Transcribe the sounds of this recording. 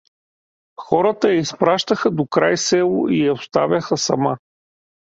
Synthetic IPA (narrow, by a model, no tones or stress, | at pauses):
xɔɾət̪əjɛispɾaʃt̪əxəd̪okɾajsɛlˠʊ̰ʔijɛost̪avʲjɐxəsɐma